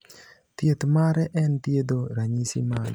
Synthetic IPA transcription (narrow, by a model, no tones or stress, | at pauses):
t̪jet̪maɾɛʔɛnt̪jed̪oɾaɲisḭmaɡ